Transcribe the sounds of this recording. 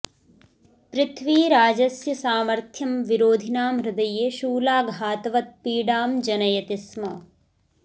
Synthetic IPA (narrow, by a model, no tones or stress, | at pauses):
pɾɪt̪ʰʋiːɾaːd͡ʒɐsjɐsaːmɐɾt̪ʰjɐmʋiɾoːd̪ʱinaːmɾɪd̪ɐjeːʃuːlaːɡʱaːt̪ɐʋɐt̪̚piːɖaːmd͡ʒɐnɐjɐt̪ismɐ